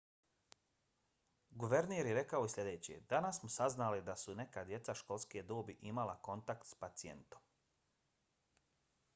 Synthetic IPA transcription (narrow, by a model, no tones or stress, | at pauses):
ɡuʋeɾneːɾjeɾe̞kaojisʲlʲe̞d̪e̞ːt͡ɕḛd̪anasːmusaznalid̪asune̞kaːd̪je̞t̪saʃko̞lˠskied̪oːbiʔimalako̞nt̪akt̪spat̪sijḛnt̪o̞m